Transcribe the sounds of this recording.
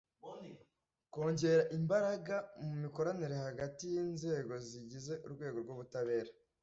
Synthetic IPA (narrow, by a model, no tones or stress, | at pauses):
ko̞ːɲɟe̞ɾaʔimbaɾaɡamumiko̞ɾaniɾehaɡatijiːnze̞ːɡo̞ziɟize̞ʔuɾɡwe̞ːɡo̞ɾɡoːβutaβe̞ːɾa